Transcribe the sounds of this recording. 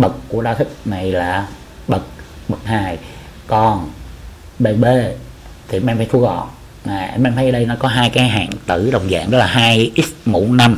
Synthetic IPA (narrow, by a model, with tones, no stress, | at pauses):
ɓə˨˩kːu˧˩əɗaː˧wt̪ʰi˦˥k̚na˨˩jlaː˨˩ | ɓə˨˩k̚ɓə˨˩k̚haː˧jkɔ˧n | ɓe˧nɓe˧˩ | t̪ʰi˨˩˨mʔɛ˧mfaː˨˦jt̪ʰəɣɔ̰˧˨n | maː˨˩ʔmʔɛ˧mfʰa˨˦jə˧ɗə˧jnɔ˨˦kɔ˨˦ɦaː˧jkaː˨˦jɦa̰ː˧˨ŋt̪ɨ˧˩ɗə˨˩wŋ͡mza̰ː˧˨ŋʔɔ˦˥laː˨˩ɦaː˧jʔi˦˥t̚mṵ˧˥na˧m